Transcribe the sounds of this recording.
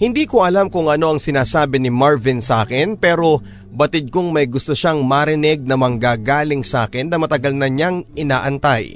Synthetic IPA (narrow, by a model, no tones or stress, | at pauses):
hɪnd̪iːkoʔɐlamkʊŋʔɐno̞ɐŋsɪnaːsaːbɪnɪmaɹvɪnsɐʔa̰ːkɪnpɛːɾo̞ | bɐt̪ɪd̪̚koŋmɐjɡʊst̪oʃaŋmaɾɪnɛɡ̚nɐmɐŋɡaːɡaːlɪŋsɐʔa̰ːkɪnːɐmɐt̪ɐɡɐlnɐɲaŋʔɪnaːʔɐnt̪aj